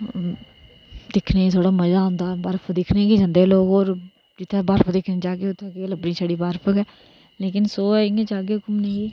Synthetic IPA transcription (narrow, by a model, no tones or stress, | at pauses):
d̪ɪkʰneːt̪ʰoːɽaːməzaːʊ̃ːnd̪aːbəɾpʰd̪ɪkʰneːkiːd͡ʒãːnd̪eːloːɡoːɾ | d͡ʒɪt̪ʰːebəɾpʰd̪eːkʰnẽːd͡ʒaːkeːʊt̪ʰːaːkeləbɽiːsaːɽiːbaːɾpʰəkɛː | leːk̬ɪnsoːɪŋẽt͡ʃaːɡeːɦʊkʊmnẽː